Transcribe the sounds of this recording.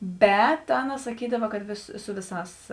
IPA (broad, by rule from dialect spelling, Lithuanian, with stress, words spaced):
ˈbʲɛt ˈɑːˌnɐ sɐˈkʲiːdɐʋɐ kɐt ˈʋʲeːs ˈsʊ ˈʋʲɪˌsɑːs